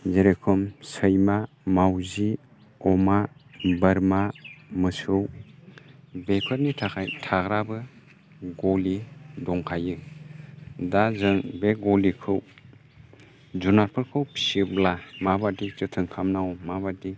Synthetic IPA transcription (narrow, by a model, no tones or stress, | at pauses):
zeɾekʰɯmsəjma | mawzi | ɔmabɯɾmamɯsɯw | bekʰɯɾnitʰtʰaɡɾabɯ | ɡɔlidɔŋkʰajɯ | dazɯŋbeɡɔlikʰɯw | zunaɾpʰɯɾkʰɯwpsiblamabadit͡ʃɯtʰɯŋkʰamnawmabadi